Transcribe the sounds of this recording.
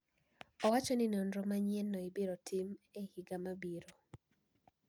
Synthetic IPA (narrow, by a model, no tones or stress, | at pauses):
ɔwat͡ʃɔninondɾɔmaɲjɛnːɔibiɾotʰimehiɡamabiɾo